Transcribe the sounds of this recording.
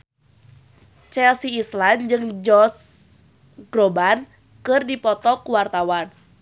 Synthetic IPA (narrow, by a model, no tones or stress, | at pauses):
t͡ʃɛlsiisland͡ʒɨŋd͡ʒɔs | ɡ̥ɾoban | kɨrdipɔt̪ɔkuwart̪awan